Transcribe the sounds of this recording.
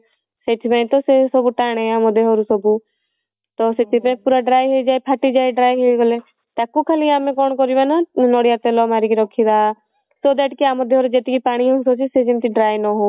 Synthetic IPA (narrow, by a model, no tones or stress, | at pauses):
set̪ʰbẽĩt̪osesobuʈaːɽ̃ẽaːmod̪eɦoːɾusɔbu | t̪ɔset̪ipẽpuːɾaɖɾaːjɦed͡ʒaːjpʰaʈid͡ʒaːjɖɾaːjɦeɡole | t̪akːukʰəliaːmẽkɔːɳkɔɾiʋananoːɽijat̪elɔmaːɾikiɾɔkʰːid̪aː | sod̪ɛːʈkiaːmod̪eɦoːɾud͡ʒet̪ikipaːɽ̃iɦõnsoːt͡ʃised͡ʒimt̪iɖɾaːjnɔɦo